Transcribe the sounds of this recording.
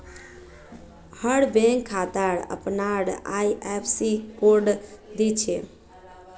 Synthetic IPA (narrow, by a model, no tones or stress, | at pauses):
həɽbẽŋkʰːat̪aɾə̰pnaɽajʔɛpʰsikoɾɖd̪it͡ʃʰe